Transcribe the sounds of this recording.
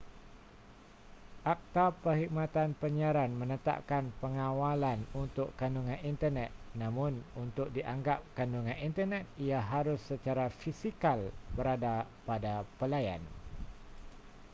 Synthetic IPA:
ʔak̚t̪apəhik̚mãt̪anpəɲiaɾanmə̃nət̪a̰ʔ̚kanpəŋãwalanunt̪ʊkːanduŋãnint̪ərnɛt̪̚nãmʊ̃nunt̪ʊk̚diʔaŋɡap̚kanduŋãnint̪ərnɛt̪̚iaɦaɾʊsːət͡ʃaɾafisikalbəɾadapadapəlaja̰n

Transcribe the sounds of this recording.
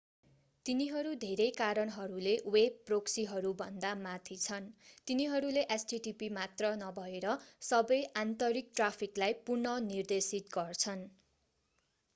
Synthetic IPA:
t̪iniɦʌɾud̪ʱeɾʌjkaɾʌnɦʌɾulewebproksiɦʌɾubʱʌnd̪amat̪ʰit͡sʰʌnt̪iniɦʌɾuleʔesʈiʈipimat̪rʌnʌbʱʌeɾʌsʌbʌjant̪ʌɾik̚ʈrapʰiklajpurnʌnird̪esit̪ɡʌrt͡sʰʌn

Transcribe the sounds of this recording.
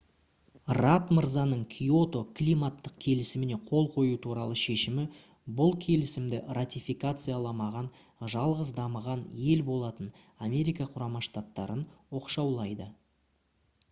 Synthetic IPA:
rat̪məɾzanəɴkʲʰijo̞t̪o̞kʰlʲijmat̪ːəqkʲʰe̞lɪsɪmɪne̞qʰo̞lˠqʰo̞jut̪ʰuɾɑlˠəʃe̞ʃɪmɪ | bʊlˠkʲʰe̞lɪsɪmd̪ɪrat̪ʲijfʲikat̪sɨjalˠɑmɑʁɑn | ʒɑlˠʁəzd̪ɑməʁɑnje̞lbo̞lˠɑt̪ən | amʲe̞ɾijkaqʰʊɾɑmɑʃt̪at̪ːɑɾənwo̞qʃɑwlˠɑjd̪ə

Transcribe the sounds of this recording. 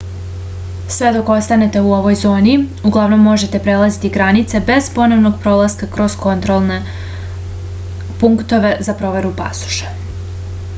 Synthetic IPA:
sʋe̞d̪o̞ko̞st̪ane̞t̪e̞uo̞ʋo̞jzo̞ːniuɡlˠaʋno̞mːo̞ʒe̞t̪e̞pɾe̞lˠazit̪iɡɾanit̪se̞be̞zpo̞no̞ʋno̞ɡ̚pɾo̞lˠaskakɾo̞zko̞nt̪ɾolˠne | puŋkt̪o̞ʋe̞zapɾo̞ʋe̞ɾupa̰su̥ʃe̥

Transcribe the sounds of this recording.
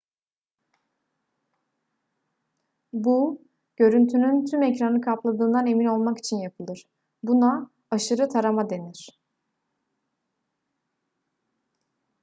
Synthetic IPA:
bu | ɟ̥ø̞ɾynt̪ʰynynt̪ʰymɛcɾanɯkʰaplˠad̪ɯːnd̪ane̞mino̞lˠmaki̥t͡ʃʰinjapʰɯlˠɯɾ̥ | buna | aʃɯɾɯt̪ʰaɾamad̪e̞niɾ̥

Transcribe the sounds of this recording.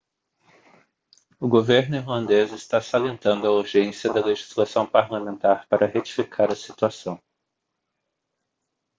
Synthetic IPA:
ʊɡoveɾnʊiɾlɐ̃nd̪ezɪst̪asalẽnt̪ɐ̃nd̪ʊɐuɾʒẽsjɐd̪ɐleʒizlasɐ̃w̃paɾlamẽnt̪aɾpaɾʔɐhet͡ʃifikʰaɾɐsit̪uasɐ̃w̃

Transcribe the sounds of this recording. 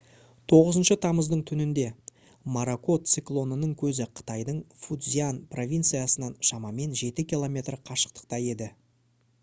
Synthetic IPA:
t̪ʰo̞ʁəzənʃət̪ʰɑməzd̪əɴt̪ʰʏnɪnd̪e̞ | maɾako̞t̪siklˠo̞nənəɴkʲʰɵzɪqʰə̥t̪ɑjd̪əɴfud̪zijanpro̞vʲijnt̪sɨjasənɑnʃɑmɑme̞nʒe̞t̪ɪkʲilˠo̞mʲe̞t̪rqʰɑʃə̥q̚t̪ə̥q̚t̪ɑje̞d̪ɪ

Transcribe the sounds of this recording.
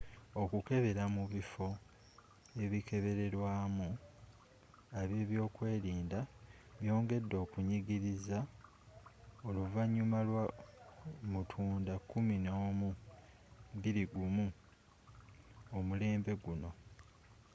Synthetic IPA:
o̞kuke̞βe̞ɾamuβifo̞ | e̞βikʰe̞βe̞ɾe̞ɾwaːmu | aβje̞ːβjo̞ːkwe̞ːɾiːnda | βjo̞ːŋɡe̞dːo̞ːkuɲiɡiɾiza | o̞luvaɲːumalwa | mutʰuːndakuminomu | biɾiɡumu | omule̞ːmbe̞ɡuno̞

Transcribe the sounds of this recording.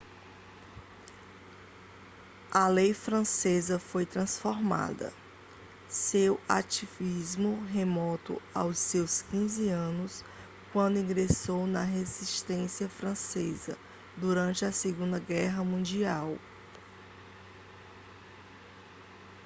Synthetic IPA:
ɐlejfɾɐ̃sezɐfojt̪ɾɐ̃sfoɾma̰d̪ɐ̰ | sewa̰t͡ʃivizmʊɦemɔt̪ʊ̰awsːewskĩzɪɐ̃nʊs | kwɐ̃nd̪ʊĩɡɾesownɐɦeziʃt̪ẽsiɐfɾɐ̃sezɐ̰ | d̪uɾɐ̃nt͡ʃɪɐseɡũnd̪ɐɡɛɦɐmũd͡ʒiaw

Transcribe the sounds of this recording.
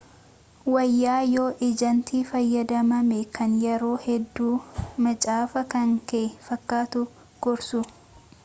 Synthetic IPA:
wɐjːaːjo̞ːʔɪd͡ʒɐnt̪ʰiːfɐjːɐd̪ɐmɐmɛkɐnjɛɾoːhɛd̪ːuːmɐt͡ʃʼaːfɐkɐŋkeːfɐkːaːt̪ʊ | ɡ̥ɔɾsʊ

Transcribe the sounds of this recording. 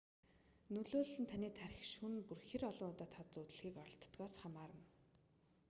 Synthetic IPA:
nɵɮoːɮɘ̆nt̪ʰaniːt̪ʰæɾʲɪ̆xʃunpurxiːrɔɮɞ̆ŋʊːt̪ɔːt̪ʰat͡sɵt̪ɵ̆ɮxiːkɔɾɞ̆ɬt̪t̪ɡɔːsχamaːɾə̆n

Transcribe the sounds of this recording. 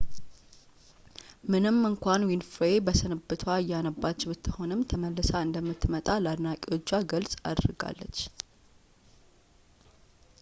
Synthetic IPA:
mɨnɨmːɨŋkʷanwinfɾebəsɨnɨbɨt̪ʰwaɨjːanəbːat͡ʃːwɨt̪ʰːəho̞nɨmt̪ʰəməlːɨsaɨnd̪əmːɨt̪ʰːmət̪ʼaləad̪nakʼiwo̞t͡ʃːaɡəlsʼa̰d̪ɾɨɡa̰lːə̰t͡ʃː

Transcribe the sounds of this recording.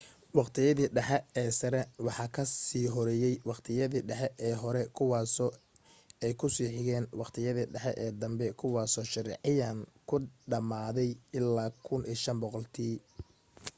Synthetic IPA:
wɑqt̪ʰɪjɐðiːɖɛħɛɛːsɐɾɛwɑħɑkʰɐsiːɦɔɾɛːjɛjwɑqt̪ʰɪjɐðiːɖɛħɛʔɛːɦɔɾɛkʰʊwɑːsɔ | ɛjkʰʊsiːħɪɣɛːnwɑqt̪ʰɪjɐðiɖɛħɛʔɛːd̪ɐmbɛkʰʊwɑːsɔʃɪrɛ̰ʕɪjaːŋkʰʊɖɐmaːðɛjɪlːaːkʰʊnʔiːʃɐnbɔqɔlt̪ʰiː

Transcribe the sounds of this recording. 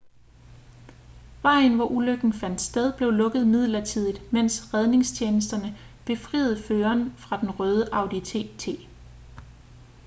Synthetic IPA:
ʋɑ̈ɪ̰n̩ʋɒʔuløɡ̥n̩fæn̰d̥sd̥eðˠb̥le̝ʊlɔ̽ɡ̥ð̩ˠmið̞̰ˠlɐt͡sʰið̞̰ˠid̥men̰sʁɛð̞ˠne̝ŋst͡ɕʰeːnəs̬d̥ɐnə | b̥e̝fʁḭːð̞̩ˠføːɐnfʁɑ̈d̥enʁœːð̞ˠəʔɑ̈ʊd̥it͡sʰe̝̰t͡sʰe̝̰ː

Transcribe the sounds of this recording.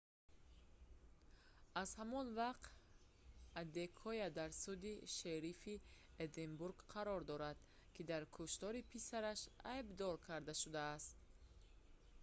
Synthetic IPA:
azhamɔnvaqt̪ | ad̪ekʰɔjad̪aɾsud̪iʃeɾifi | ed̪embuɾɡqʰaɾɔɾd̪ɔɾad̪̥ | kid̪aɾkʰuʃt̪ɔɾipʰisaɾaʃajbd̪ɔɾkʰaɾd̪aʃud̪aːst̪̚

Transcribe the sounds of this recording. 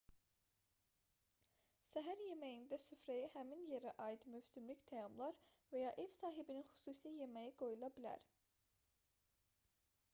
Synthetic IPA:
sæɦæɾje̞mæjind̪æsyfɾæjæhæminje̞ɾæʔɑjid̪myvsimlict̪ʰæjɑmlˠɑɾvæjɑːʔevsɑːɦibininxy̥suːsije̞mæjiɡ̥o̞julˠɑbilæ̰ɾ

